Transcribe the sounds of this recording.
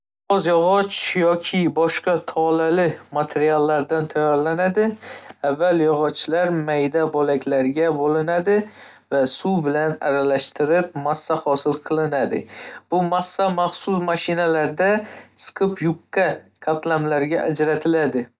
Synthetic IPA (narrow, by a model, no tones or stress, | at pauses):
ɒzjɒʁɒt͡ʃjɒkʲʰɪbɒʃqɑt̪ʰɒlalɪmat̪ʰeɾialˠːaɾd̪ant̪ʰajɒɾlanad̪ɪavːaljɒʁɒt͡ʃʰːlaɾmajd̪abolakʲlaɾɡʲabolɪnad̪ɪ | vasubɪlana̰ɾalaʃt̪ɪɾɪp̚masːahɒsɪlqʰɨlˠɪnad̪ɪ̰b̥ʊmasːamaχsʊs̬maʃɪnalaɾd̪askʰɨpʰjʊqːakʰat̪lamlaɾɡʲaʔad͡ʒɾat̪ʰɪlad̪ɪ